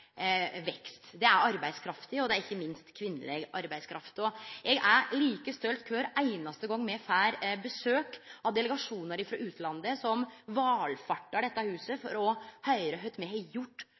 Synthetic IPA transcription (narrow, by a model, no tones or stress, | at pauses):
ʋɛkst̪d̪ɛæɾɑɾbæɪskʰɾɑft̪ɪɔd̪ɛæɾɪçːəmɪnst̪kʰʋɪnːə̰leːɡɑɾbæɪskʰɾɑft̪ɔɛɡæɾliːkəst̪œlt̪kʰʋøːɾæɪnɑst̪əɡɔŋːmɛfæːɾbəsøːkɑʋd̪ɛlɛɡɑʂuːnəɾɪfɾɑ̰ʔʉːt̪ʰlɑnd̪əsɔmʋɑːlfɑʈːɑɖɛt̪ːɑhʉːsəfɔɾɔhœʏɾəɦœʏt̪mɛhɛjʊʈː